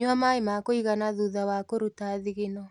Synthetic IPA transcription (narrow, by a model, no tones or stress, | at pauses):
amaemakoiɣanaðuðawakoɾutaðiɣenɔ